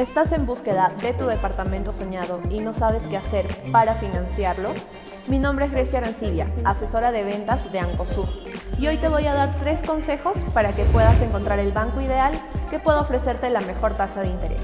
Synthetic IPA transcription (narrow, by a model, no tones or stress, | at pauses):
e̞st̪ase̞mbuske̞ðaðe̞t̪uðe̞paɾt̪amẽnt̪o̞soɲaðo̞ino̞saβ̞e̞ske̞ase̞ɾpaɾafinãnsjaɾlo̞ | minõmbɾe̞ezɣɾesjaɾansiβjaase̞so̞ɾaðe̞β̞e̞nt̪azðeaŋko̞suɾio̞jt̪e̞β̞o̞jaðaɾt̪ɾe̞sko̞nse̞xo̞spaɾake̞pwe̞ðase̞ŋko̞nt̪ɾaɾe̞lβaŋkoiðe̞alke̞pwe̞ðaofɾese̞ɾt̪elame̞xo̞ɾt̪asaðeint̪e̞ɾḛs